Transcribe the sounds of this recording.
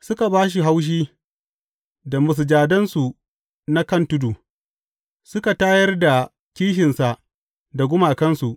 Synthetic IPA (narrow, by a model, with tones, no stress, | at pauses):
sʊ˦ka˨baː˦ʃ̬i˨ɦa˦wʃ̬iː˦ | da˨mʊ˨s̬d͡ʒaː˨dɐ˦nsu˨ | na˦kɐ˦ntʊ˦du˨ | sʊ˦ka˨taː˦jɐ˦rda˨ | kʲiː˦ʃɪ˨nsa˨ʔ | da˨ɡʷʊ˦maː˨kɐ˦nsu˨ʔ